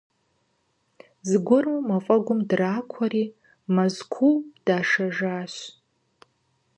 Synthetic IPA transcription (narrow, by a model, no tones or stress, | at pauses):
zɡʷʊrumafʼɐɡʷʊmdraːkʷʰariː | mazkʷʰuwd̥aːʂaʒaːɕ